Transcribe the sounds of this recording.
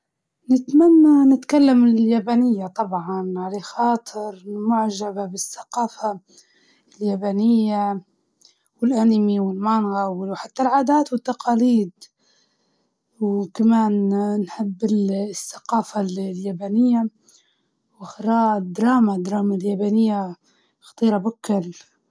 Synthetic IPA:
nɪt̪manːanɪt̪kalːamɪljaːbaːnɪjːat̪ˤɑbʕɑnʕalexɑːt̪ˤʰɨɾmʊʕʒababɪsːḁqɑːfa | ljabanɪjːa | wɪlʔanmiwɪlmanɣawɪwħat̪ːalʕaːd̪aːt̪wɪt̪ːaqɑːliːd̪ | wkamaːnnħɪbːɪsːḁqɑːfalljabaːnɪjːa | waxɾˤɑːd̪ːɾˤɑːmad̪ɾˤɑːmaljabaːnɪjːa | xɑ̥t̪ˤiːɾabʊkːɪl

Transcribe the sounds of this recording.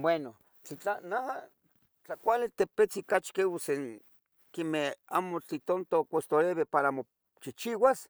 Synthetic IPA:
bweno | t͡ɬit͡ɬanaɦa | t͡ɬakʷalit̪epet͡sikat͡ʃkeuseŋ | kemeha̰mot͡ɬit̪ont̪okʷost̪oɾeβepaɾamo | t͡ʃit͡ʃiwas

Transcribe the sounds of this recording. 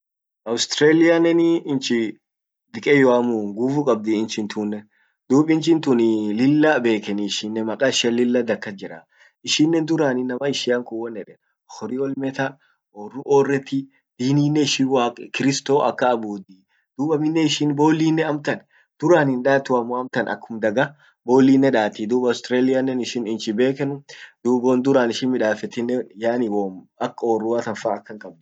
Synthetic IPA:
ʔɐwst̪ɾeːlɪjɐnɛnɪɪnt͡ʃɪ | d̪ɪkʼɛjɔamuːŋɡuːfʊkʼɐb̚d̪ɪːnt͡ʃɪnt̪unːɛ | d̪uːpʼɪnt͡ʃɪnt̪ʊnɪlɪlːɐbe̞ːkɛnɪːʃɪnːɛmɐkʼaːɪʃɪɐlɪlːɐd̪ɐkːɐd͡ʒɪɾɐ̰ | ɪʃɪnːɛnd̪ʊɾaːnɪnːɐmɐɪʃɪjaŋkʊwːɔnːɛᶑɛn | hɔɾɪwɔlmɛt̪ɐ | oːrʊʔoːrːɛt̪ːɪ | d̪̥iːniːnːɛɪʃiwaːkʼkɪɾɪst̪oːʔɐkːɐːbuːd̪i | d̪̥uːbɐmɪnːɛɪʃɪnbo̞ːlːiːnːɛɐmt̪ɐn | d̪̥ʊɾaːnɪnᶑaːt̪ːʊɐmːoɐmt̪ɐnɐ̰kːʊmd̪ɐɡɐ | bo̞ːlːiːnːɛᶑaːt̪ɪd̪uːbɐʊst̪ɾeːlɪjɐnːɛnɪʃɪnɪnt͡ʃɪbe̞ːkɛnʊd̪̥uːbond̪ʊɾaːnɪʃɪnmɪᶑaːfɛt̪ɪnːɛjaːnɪwomɐkːɐoːrːʊwat̪ɐfaːɐkːɐŋkʼɐbnʊ

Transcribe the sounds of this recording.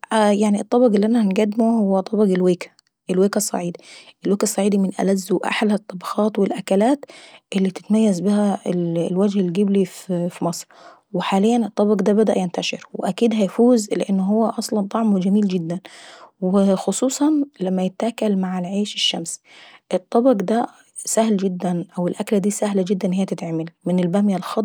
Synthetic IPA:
ʔjaʕniʔɨt̪ˤːɑbɑɡɪlːiʔænæhænɡæd̪ːmuhowːæt̪ˤːɑbɑɡɪlweːkæ̥ | ʔelweːkæsˤːɑ̰ʕiːd̪ʔɪlweːkæsˤːɑʕiːd̪imɪnʔæ̰læzːuʔa̰ħlæt̪ˤːɑbɑxɑːt̪wɪlʔækælaːt̪ʔɪlːit̪ɪ̥t̪mæjːæzbɪhællwæd͡ʒhelɡɪbliffimɑsˤɾ | weħaːlɪjːænɨt̪ˤːɑbɑɡd̪æːbæd̪æʔjɪnt̪æʃeɾwɪʔakiːd̪ɦæjfuːzlɪʔanːʊɦʊwːæʔɑsˤlɑnt̪ˤɑʕmwɪd͡ʒamiːld͡ʒɪd̪ːanwɪxʊsˤuːsˤɑnlamːæjɪt̪ʔakalmaʕalʕeːʃɪʃːamsʔɪt̪ˤːɑbɑɡd̪æ | sahld͡ʒɪd̪ːænʔawɪlʔaklad̪iːsahlad͡ʒɪd̪ːanhɪjːæt̪ɪt̪ʕmɪlmɪnɪlbamjalxɑ

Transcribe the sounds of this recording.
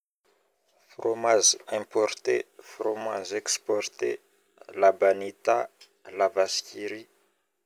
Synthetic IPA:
fromazɛ̃pɔrt̪efromazɛkspɔrt̪ḛ | labanit̪a | lavaskʲiɾi

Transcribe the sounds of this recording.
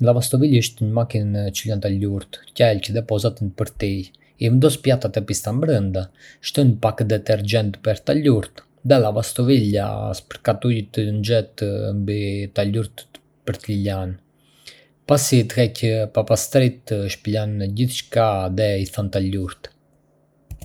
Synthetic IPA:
lavast̪ɔviləʃt̪ɲəmakint͡ʃilant̪aluɾt̪cɛlcðɛpɔzat̪ənpəɾt̪i | ivənd̪ɔspjat̪at̪ɛpist̪ambɾənd̪aʃt̪ənpakd̪ɛt̪ɛɾd͡ʒɛnt̪pəɾt̪aluɾt̪ | ðɛlavast̪ɔvila̰spəɾkat̪ujt̪ənd͡ʒɛt̪mbit̪aluɾt̪ | pəɾt̪ilan | pasit̪əhɛcəpapast̪ɾit̪ʃpilanɟiθt͡ʃkaðɛiθant̪aluɾt̪

